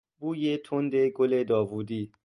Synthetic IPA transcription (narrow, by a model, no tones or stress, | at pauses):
buːjet̪ʰond̪eɡoled̪ɔːvuːd̪iː